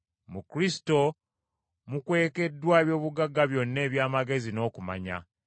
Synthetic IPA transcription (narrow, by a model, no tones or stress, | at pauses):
mukɾisi̥to̞ | mukwe̞ːke̞dːwaːeβjo̞ːβuɡaɡːaβjo̞nːe̞ːβjaːmaɡe̞zino̞ːkuma̰ɲa̰